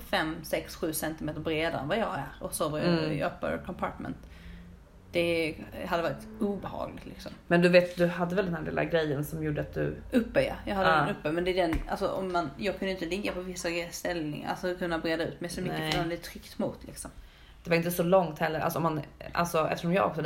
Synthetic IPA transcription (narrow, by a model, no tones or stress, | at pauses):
fɛmsɛksɧʉ̟ːsɛnt̪ɪmeːt̪əɾbɾeːd̪aɾɛ̰nvajɑːɡæɾɔsoːvəjɑ̰ɑ̰ːpːa̰kʰɔmpʰɑ̰ːʈmɛ̰nt̪ | d̪̥ɛɦad̪ːəvɑːɾɪt̪uːbɛhɑ̰ːɡlɪɡt̪lɪksɔ̰mmɛnd̪ɵveːt̪d̪ɵɦad̪ːəvɛld̪ɛnhælɪ̰ːla̰ɡɾɛjːənsɔmjuːɖəat̪̚d̪ɵ̰ʔɵpːœja̰jɑhad̪ːɛnɵpːəmɛnd̪ɛd̪ɛna̰lsɔʔɔ̰mːanjɑːɡkʰɵnəɪnt̪əlɪɡːapʰɔvɪsːast̪ɛlnɪ̰ŋ̰a̰lsɔkʰɵnːabɾeːd̪aʉ̟ːt̪mɛjsɔmʏkːəand̪ɛt̪ʰɾʏkt̪mʊt̪ʰlɪ̰ksɔm | d̪̥ɛvaɾɪnt̪əsɔlɔŋt̪hɛlːəɾʔa̰sɔɔmana̰lsɔʔɛ̰ft̪əʂɔmjɑːɡɔ̰ksɔ